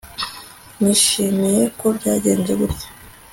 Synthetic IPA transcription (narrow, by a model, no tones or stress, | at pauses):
niʃiːmije̞ko̞bɟaːɟe̞ːnd͡ʒeɡuɾɟḁ